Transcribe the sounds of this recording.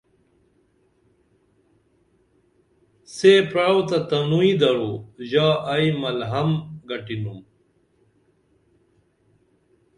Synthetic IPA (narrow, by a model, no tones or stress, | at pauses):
sepɾaːwt̪ɐt̪ɐnuid̪ɐɾuʑaːʔɐimɐlɦɐmɡɐʈinum